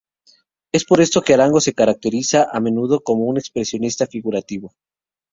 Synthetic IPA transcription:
e̞spo̞ɾe̞st̪o̞ke̞alaŋɡo̞se̞kaɾak̚t̪e̞ɾisaʔamẽ̞nuð̞o̞ko̞mo̞une̞kspɾe̞sjo̞nist̪afiɣuɾat̪iβo̞

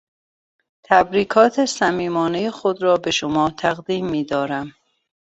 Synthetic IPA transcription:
t̪ʰæbɾiːkʰɒːt̪ʰesæmiːmɒːne̞jexod̪ɾɒːbe̞ʃomɒːt̪ʰæɣd̪iːmːiːd̪ɒːɾæm

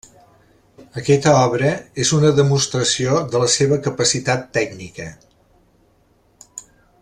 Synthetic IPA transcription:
əkɛt̪əɔβɾəezunəðəmust̪ɾəsioðələseβəkəpəsit̪at̪ːɛɡnikə

